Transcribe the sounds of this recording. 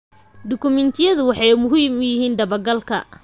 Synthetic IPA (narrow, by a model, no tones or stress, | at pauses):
d̪ɔkʰʊmɛnt̪ʰɪjɐðʊwɑħɑjmʊɦiːmjɪɦiːnd̪ɐβɐɡɐlkʰɐ̰